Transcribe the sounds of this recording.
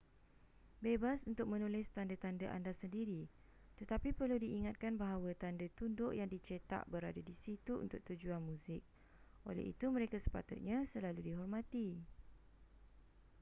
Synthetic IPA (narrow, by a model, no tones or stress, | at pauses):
bebasunt̪ʊk̚mə̃nulɪst̪andət̪andaʔa̰ndasəndiɾi | t̪ət̪apipərludiʔiŋat̪̚kanbaɦawət̪andət̪undʊʔjaŋdit͡ʃet̪a̰ʔbəɾadadisit̪uṵnt̪ʊk̚t̪ud͡ʒuanmũzɪk̚ | ʔo̰lɛ̰hḭt̪uməɾekasə̥pa̰t̪ṵt̪̚ɲãsəlaludiɦɔrmãt̪i